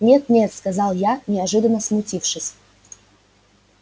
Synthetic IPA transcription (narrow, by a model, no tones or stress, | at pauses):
nʲe̞t̪̚nʲe̞t̪skazɑlˠjanʲɪɐʐɨd̪ənːəsmʊtʲifʂɨsʲ